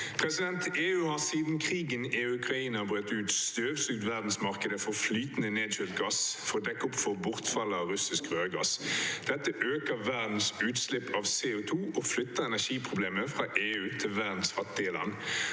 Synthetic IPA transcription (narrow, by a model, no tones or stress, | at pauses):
pʰʁɛsɪd̪ɛnt̪eːʉːhɑʁsiːd̪n̩kʰʁiːɡəneʉkʁɑiːnəbʁøːt̪ʉːt̪st̪øːʋsʉk̚t̪ʋæʁd̪n̩smɑʁkəd̪əfɔʁflyːt̪nəneːd̪ʃʉl̚ɡɑsfɔʁd̪ɛkːʊpːfɔbʊʁt̪fɑlːəɑʁʉsɪskʁøːɡɑ̰sd̪̥ɛt̪ːəʔøːkəʋæʁd̪n̩sʉːt̪slɪpʰːɑʋseːʊt̪ʰuːʔɔflʏt̪ːəɛnæʃiːpʰʁʊbleːməfʁɑʔeːʉːt̪ʰɪlʋæʁd̪n̩sfɑt̪ːɪəlɑ̰nː